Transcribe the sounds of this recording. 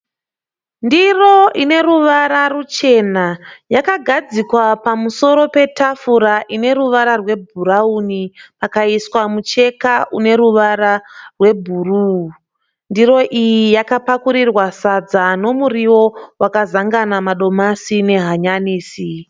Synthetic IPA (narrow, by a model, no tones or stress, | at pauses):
ndiro̞ine̞ɾuʋaɾarut͡ʃe̞najakaɡʱad͡zikwapamuso̞ɾo̞pe̞tafuɾaʔine̞ɾuʋaɾarwe̞bʱuɾaunipakaiswamut͡ʃe̞kaʔune̞ɾuʋaɾarwe̞bʱuru | ndiro̞ʔijijakapakuɾirwasad͡zano̞muriwo̞wakazaŋɡanamaɗo̞masine̞ɦaɲaniːsi